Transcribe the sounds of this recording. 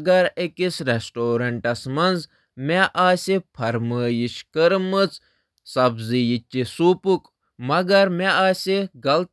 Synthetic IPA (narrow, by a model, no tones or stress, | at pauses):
ɡɐɾekisɾesʈoːɾɐɳʈɐsmɐnz | meʔaːsʲipʰɐɾməːjiʃkəɾmɨt͡s | sɐbzijit͡ʃʲːisuːpuk | mɐɡɐɾmeaːsʲiɡɐlt̪